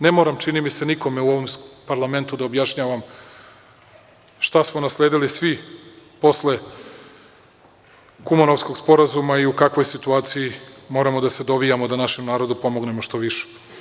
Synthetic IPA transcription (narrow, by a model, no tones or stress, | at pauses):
ne̞mo̞ːɾamt͡ʃinimise̞niko̞me̞uo̞ʋo̞mpaɾlˠame̞nt̪ud̪aobjaʃɲaːʋam | ʃt̪asmo̞naslˠe̞ːd̪ilisʋipo̞sle̞ | kumano̞ʋsko̞ɡspo̞ɾazumaiukakʋo̞jsit̪uaːt̪sijimo̞ɾamo̞d̪ase̞d̪o̞ʋijamo̞d̪anaʃe̞mnaːɾo̞d̪upo̞mo̞ɡne̞moʃt̪o̞ʋiʃe̥